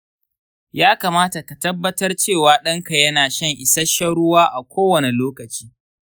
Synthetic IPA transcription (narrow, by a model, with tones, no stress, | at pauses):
jaː˦kaː˨maː˦ta˨ka˨tɐ˦bːɐ˦tɐ˦rt͡ʃeː˦˨waː˨ɗɐ˦ŋka˨jɐ˦naː˨ʃɐ˦˨ŋʔɪ˨sɐ˦ʃɐ˦ɽʊ˦waː˦ʔa˨kʷoː˦wɐ˨ne˨loː˦kɐ˨t͡ʃi̥ː˦